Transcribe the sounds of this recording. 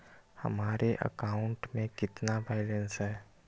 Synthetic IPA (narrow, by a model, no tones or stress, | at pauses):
hɐ̰maːɾeʔə̰kaːʊ̃ɳʈmẽkɪt̪nabaːɪlə̃nsɦɛː